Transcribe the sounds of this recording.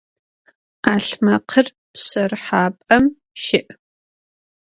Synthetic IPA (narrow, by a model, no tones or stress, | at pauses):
aːɬmɐqʰər | psɐrħaːpʼɐm | ʃɪʔ